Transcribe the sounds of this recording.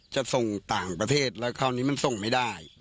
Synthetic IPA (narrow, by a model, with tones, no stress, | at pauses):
t͡ɕa˨˩so˨˩ŋt̪aː˨˩ŋpɾa˧t̪ʰeː˥˩t̪̚lɛː˦˥wkʰaː˧˩wniː˦˥ma˧˨nso˨˩ŋma˥˩jda˥˩j